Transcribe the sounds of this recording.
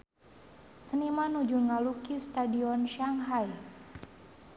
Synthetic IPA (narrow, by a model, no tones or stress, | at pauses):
sənimanud͡ʒuŋalukist̪adiɔnʃaŋɦaj